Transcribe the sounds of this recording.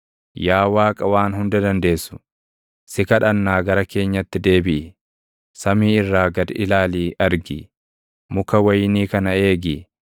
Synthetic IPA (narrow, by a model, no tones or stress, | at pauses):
jaːwaːkʼɐwaːnɦʊnd̪ɐd̪ɐnd̪e̞ːsːʊ̥ | sɪkɐᶑɐnːaːɡɐɾɐke̞ːɲːɐt̪ːɪd̪e̞ːbɪʔɪ | sɐmiːɪrːaːɡɐd̪ɪlaːliːɐɾɡɪ̰ | mʊkɐwɐjniːkɐnɐe̞ːɡɪ